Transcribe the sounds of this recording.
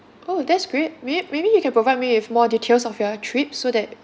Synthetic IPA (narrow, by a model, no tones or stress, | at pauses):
ʔodɛtsɡ̥ɹet̚memebijukʰɛ̃npɹovaɪjd̚miwɪfmɔditʰelsɔfjɔtʰɹip̚sodɛt̚